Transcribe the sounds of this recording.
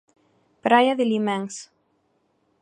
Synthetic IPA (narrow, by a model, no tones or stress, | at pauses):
pɾajaðelimɛŋs